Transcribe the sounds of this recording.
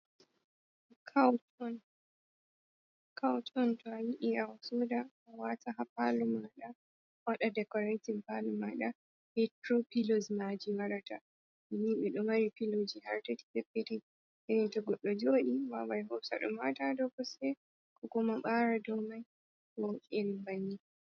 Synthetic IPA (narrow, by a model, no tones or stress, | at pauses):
kʰawtɔn | kʰawtɔntɔawiʔiawasuda | wataɦapalumaɗa | waɗadɛkɔɾetinpalumaɗa | hɛtɾopilozmad͡ʒiwaɾata | miniɓɛɗɔmaɾipilod͡ʒihaɾtɛti̥sɛpːetid | ʔɛnɛntɔɡɔɗːɔd͡ʒoːɗiwawajɦɔwsa̰ɗɔ̰matadɔwkɔsɛ | kʰɔkɔmaɓaːɾadɔmaj | wɔwkʼɛnibanːi